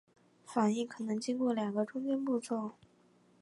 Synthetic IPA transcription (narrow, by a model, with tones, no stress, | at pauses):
fa˨˩ŋi˥˩kʰɤ˨˩nɤ˧˥ŋt͡ɕi˥ŋkwɔ˥˩ljɑ˨˩ŋɡə˦ʈ͡ʂʊ˥ŋt͡ɕɛ˥npu˥˧t͡sʰwɔ˥˩